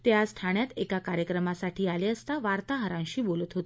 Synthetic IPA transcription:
t̪jasʈʰaɳjat̪ekakaɾjəkɾəmasaʈʰiːaleəst̪aʋaɾt̪aɦəɾãɕiːbolət̪ɦot̪e

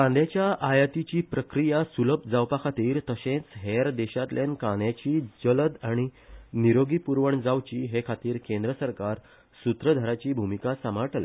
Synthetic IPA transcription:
kãnd̪jat͡ɕjaʔajat̪it͡ɕiːpɾəkɾijasuləp̚d͡zawpakʰat̪iːɾt̪əɕẽt͡sɦeɾd̪ɛɕat̪ljenkãɳjat͡ɕiːd͡zələd̪aɽ̃iniɾoɡipuɾʋəɳd͡zawt͡ɕiːɦekʰat̪iːɾkẽnd̪ɾəsəɾkaɾ | sut̪ɾəd̪ʱaɾat͡ɕiːbʱumikasəmaʈəlḛ

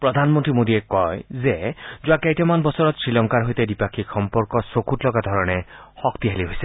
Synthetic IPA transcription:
pɾɔd̪ʱanmɔnt̪ɾimod̪iekɔjzed͡ʒuakejʈemanbɔsɔɾɔt̪sɹilɔŋkaɾɦojt̪edipakʰikxɔmpɔɾkɔsokutlɔkad̪ʱɔɾɔɽ̃ehɔkt̪iɦeliɦojse

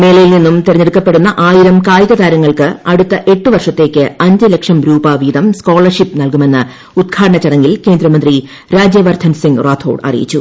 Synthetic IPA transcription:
me̞ːɭɐjilninːumt̪eɾɐɲːeɽukːɐpːe̞ɽunːɐʔaːjiɾɐmkaːjiðɐd̪aːɾɐŋːɐɭkɨɐɽut̪ːɐʔe̞ʈːɨʋɐrʂɐt̪ːe̞ːkʲːɨɐɲd͡ʑɐlekʂɐmɾuːbɐʋiːd̪ɐmsko̞ːɭɐrʂipːnɐlkume̞nːɨ | ud̪̚ɡʰʱaːɽɐɳɐt͡ɕːɐɽɐŋːɡilke̞ːnd̪rɐmɐnd̪ri | ɾaːd͡ʑjeʋɐrt̪ʰɐnsiŋɡraːt̪ʰoːɖɐ̰rḭjḭt͡ɕːu

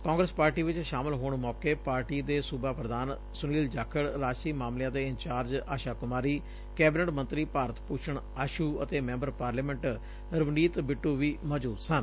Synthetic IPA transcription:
kɔ̃ːŋɡɾəspaːɾʈiːʋɪt͡ʃʃaːmɪlɦoːɳmɔːkeːpaːɾʈiːd̪eːsʊbaːpɾəd̪aːn | sʊniːld͡ʒaːkʰəɽɾaːd͡ʒsiːmaːmlɪjãːd̪eːɪɲt͡ʃaːɾd͡ʒaːʃaːkʊmaːɾiː | kɛːbɪnəʈmənt̪ɾiːpaːɾət̪puːt͡ʃʰəɳ | aːʃuːət̪eːmɛ̃ːmbəɾpaːɾleːmɛ̃ɳʈ | ɾəʋniːt̪bɪʈːuːʋiːmɔːd͡ʒuːd̪sən

